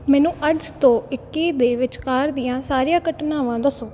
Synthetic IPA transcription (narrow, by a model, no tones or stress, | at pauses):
mɛːnũːʔəd͡ʒt̪õːɪkːiːd̪eːʋɪt͡ʃkaːɾd̪ɪjãːsaːɾɪjãːkəʈnaːʋãːd̪əsoː